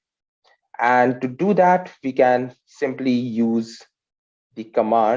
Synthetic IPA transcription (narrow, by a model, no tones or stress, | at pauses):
ʔæ̃ɳɖ̚ʈuɖud̪æʈʋiːkæ̃n | sɪ̃mplijuːz | d̪ikəmãː